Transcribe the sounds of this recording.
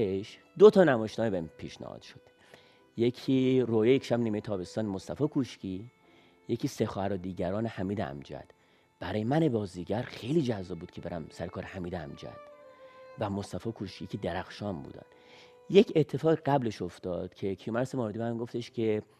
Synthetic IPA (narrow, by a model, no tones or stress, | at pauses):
eʃ | d̪ot̪ʰɒːnæmɒːʃt̪ɒːnebepʰḭːʃnæ̰hɒ̰ːd̪̥ʃo̥d̪̥ | je̞kʰiːrojejecʰʃæbniːmejet̪ʰɒːbe̞st̪ɒːnemost̪æfɒːkʰuʃci | je̞cʰiːsexɒːhæɾod̪iːɟæɾɒːnehæmiːd̪eæ̰md͡ʒæ̰d̪̥ | b̥æɾɒːjemæne̞bɒːziɟæɾxe̞jliːd͡ʒæzːɒːb̚uːd̪kcʰe̞beɾæmsæɾekʰɒːɾehæmiːd̪eæ̰md͡ʒæ̰d̪̥væmost̪æfɒːkʰuʃkicʰed̪eɾæxʃɒːmbṵːd̪æ̰n | je̞cʰet̪ʰːefɒːɣiɡæble̞ʃoft̪ɒːd̪̥cʰe̞kʰijumæɾsemɒːɾd̪ibæmɡo̞ft̪e̞ʃcʰe